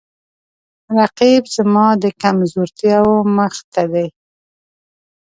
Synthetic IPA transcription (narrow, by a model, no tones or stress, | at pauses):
ɾaqibzəmɑd̪əkamzoɾt̪jɑwoməxt̪ad̪aj